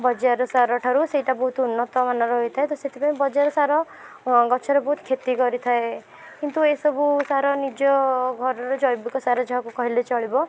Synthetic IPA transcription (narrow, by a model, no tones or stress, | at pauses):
bɔd͡ʒaɾɔsaɾɔʈʰaɾuseiʈabɔɦut̪unːɔt̪ɔmanɔɾɔɦojt̪ʰaet̪ɔset̪ʰipaẽbɔd͡ʒaɾɔsaɾɔ | ɡɔt͡ʃʰɔɾɔbɔɦut̪kʰet̪ikɔɾit̪ʰae | kint̪uesɔbusaɾɔnid͡ʒɔɡʱɔɾɔɾɔd͡ʒɔjbikɔsaɾɔd͡ʒʱaɦkukɔɦilet͡ʃɔɭibɔ